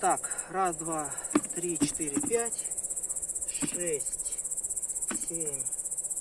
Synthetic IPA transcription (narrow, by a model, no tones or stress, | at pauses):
t̪akrasd̪vat̪ɾʲit͡ɕɪ̥t̪ɪɾʲɪpʲætʲ | ʂʂɛsʲtʲ | sʲemʲ